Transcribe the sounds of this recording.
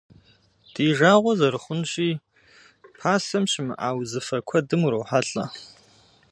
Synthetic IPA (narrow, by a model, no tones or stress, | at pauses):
d̥iːʒaːʁʷɔzɐɾɨχʷʊnɕiː | pʰaːsɐmɕɪmɨ̰ʔa̰ːwzɨfɐkʷʰɐdɨmuɾɐwħaɬʼɐ̰